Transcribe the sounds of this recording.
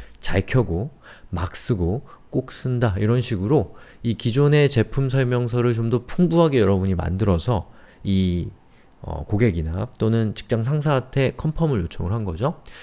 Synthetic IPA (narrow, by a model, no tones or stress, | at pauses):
t͡ɕaɭkʰjʌɡo | mak̚s͈ɯɡo | k͈ok̚s͈ɯndaiɾʌnɕʰiɡɯɾoikid͡ʑone̞t͡ɕe̞pʰums̬ʰʌɭmjʌŋs̬ʰʌɾɯɭt͡ɕomdʌpʰuŋbuɦaɡe̞jʌɾʌbuɲima̰ndɯɾʌsʰʌi | ʌ̰koɡe̞ɡinat͈onɯnt͡ɕi̥k̚t͡ɕ͈aŋs̬ʰaŋs̬ʰaːtʰe̞kʰʌmpʰʌmɯɭjot͡ɕʰʌŋɯɭɦanɡʌd͡ʑo